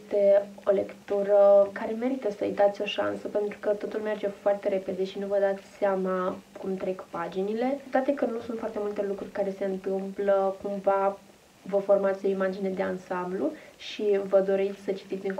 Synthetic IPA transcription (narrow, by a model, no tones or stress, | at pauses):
st̪e̞o̞le̞kt̪uɾəkaɾe̞me̞ɾit̪əsəɨ̰jd̪at̪sʲo̞ʃa̰nsəpe̞nt̪ɾukət̪o̞t̪ulme̞rd͡ʒe̞foart̪e̞ɾe̞pe̞d̪e̞ʃinuvəd̪at̪sʲseamakumt̪ɾe̞kpad͡ʒinile̞t̪at̪ekɨnusunt̪foart̪e̞mult̪e̞lukɾurʲkaɾe̞se̞ɨnt̪ɨmpləkumva | vəfo̞rmat̪sʲo̞imad͡ʒine̞d̪e̞ansambluʃʃivəd̪o̞ɾest̪sʲsət͡ʃi̥t̪it̪sʲiŋ